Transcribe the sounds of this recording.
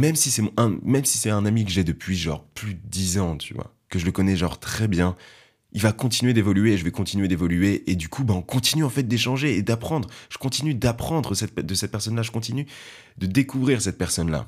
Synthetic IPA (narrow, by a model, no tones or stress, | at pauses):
mɛmsisɛmɔ̃ʔɛ̃mɛmsi̥sɛɛ̃namikəʒɛd̪əpɥiʒɑ̰̃ʁplyd̪əd̪izɑ̃t̪ʰyvwa̰ | kəʒələkɔnɛʒɑ̰̃ʁt̪χɛbjɛ̃ | ilvakɔ̃t̪inɥed̪evɔlyeːʒəvɛkɔ̃t̪inɥed̪evɔlyeʔed̪ykʰubaɔ̃kɔ̃t̪inyɑ̃fɛt̪̚d̪eʃɑ̃ʒeːd̪apχɑ̃d̪ʁʒ̥ə̥kɔ̃t̪inyd̪apχɑ̃d̪ʁəsɛt̪̚pɛd̪əsɛt̪̚pɛʁsɔnlaʒəkɔ̃t̪iny | d̪̥əd̪ekuvʁiʁsɛt̪̚pɛʁsɔnla̰